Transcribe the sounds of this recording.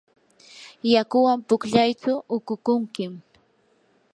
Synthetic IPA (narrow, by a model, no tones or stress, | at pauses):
jakʊwampʊkʎajt͡ʃʊʔʊkʊkʊŋkɪm